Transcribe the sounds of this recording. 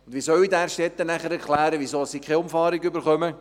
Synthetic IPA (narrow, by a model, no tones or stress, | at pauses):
nd̪ʋiːsœwidæːɾʃtɛt̪ːənæχəɾɛɾkʰlæːɾəʋisoːəsikχeʊmfɑːɾɪɡybəɾχœmə